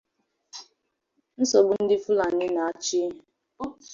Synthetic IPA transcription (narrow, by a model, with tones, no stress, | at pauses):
n̩˦so˨ɡ͡bʊ˦n̩˦dɪ˦fu˦la˨nɪ˦na˨a˦˨t͡ʃi˦